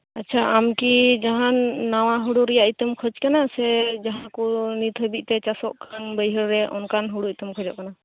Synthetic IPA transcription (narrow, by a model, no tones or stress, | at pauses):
at̚ːt͡ʃʰaamkid͡ʒaɦanːaw̃aɦuɽuɾɛjaʔit̪əmkʰɔd͡ʒkanasɛd͡ʒaɦãkunit̪ʰəbic̚t̪ɛt͡ʃasɔʔkʰanbəjɦəɾɾɛʔɔ̰nkanɦuɽuit̪əmkʰɔd͡ʒɔʔkana